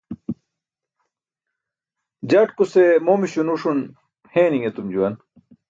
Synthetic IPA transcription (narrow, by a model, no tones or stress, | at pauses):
d͡ʑaːʈkusemoːmiɕunuʂun | hẽːniŋet̪umd͡ʑuwɐn